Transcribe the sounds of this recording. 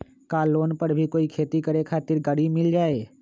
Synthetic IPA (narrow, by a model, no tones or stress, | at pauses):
kaːlːoːnpəɾbʱikoːikʰeːt̪ikəɾekʰaːt̪ɪɾɡəɽimɪld͡ʒaːeː